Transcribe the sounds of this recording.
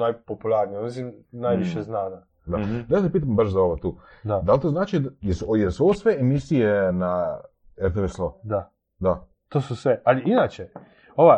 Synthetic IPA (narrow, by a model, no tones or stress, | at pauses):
najpopulˠaɾniomis̬imnajʋiʃeznaːna | d̪adasepiːt̪̬ambaʃzao̞ʋot̪uːad̪alt̪oznaːt͡ʃijeɾsujelsuoʋosʋeemisijena | eɾt̪eʋeslod̪a | d̪a | t̪oːsusʋealiinat͡ʃe | oʋa